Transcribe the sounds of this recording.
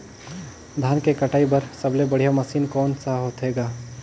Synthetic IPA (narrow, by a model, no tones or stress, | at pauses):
d̪ʱaːnkekɐʈaːibɐɾsɐblebɐɽ̤ijamɐsiːnkɔːnsaɦoːt̪ɦeːɡaː